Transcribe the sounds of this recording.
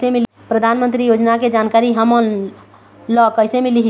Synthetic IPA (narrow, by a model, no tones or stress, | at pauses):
seme | pɾəd̪ʱanmənt̪ɾijod͡ʒnaked͡ʒankaɾiɦəmən | lɔkəɪsemeliɦ